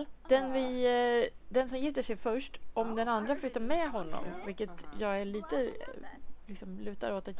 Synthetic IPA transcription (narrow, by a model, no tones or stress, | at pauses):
d̪̥ɛnvɪ | d̪ɛnsɔmjɪft̪ːəʂɛjfœʂʈʔɔmd̪ɛnand̪ɾaflʏt̪ːaɾmɛɦɔnːɔ̰mvɪlkːət̪jɑːɡæɭiːt̪ə | lɪksɔmlʉ̟ːt̪a̰ɾoːt̪at̪